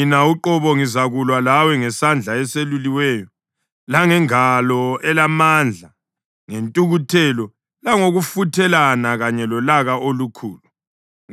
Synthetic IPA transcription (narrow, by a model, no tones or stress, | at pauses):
nauǃɔβɔŋizaɣulwalawɛŋɛsand͡ɮʱaɛseluliwɛːjɔ | laŋɛŋalɔɛlamand͡ɮʱa | ŋentʼuɣutʰɛlɔ | laŋoɣufutʰɛlanaɣaɲɛlɔlaɣaʔolukʰuːlu